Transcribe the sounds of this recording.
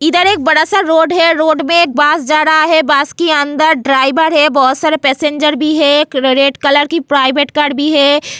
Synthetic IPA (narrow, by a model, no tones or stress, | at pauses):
ɪd̪əɾeːk̚bɐɽasaɾɾoːɖɦɛɾoːɖmẽeːk̚baːsd͡ʒaːɾəɦaɦɛbaːskiɐ̃nd̪əɾɖɾaːɪbəɾɦɛbɔɦʊt̪saːɾepɛːsẽɲd͡ʒəɾbʱiɦɛkɾeːʈkɐləɾkipɾaːɪbeːʈkaːɾɖbʱiɦɛ